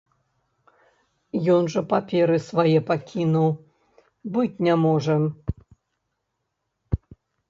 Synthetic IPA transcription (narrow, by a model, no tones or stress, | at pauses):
jɔnʐɐpapʲɛɾɨsvajɛpakʲʰinuw | bɨt͡sʲnʲɛmɔʐɐ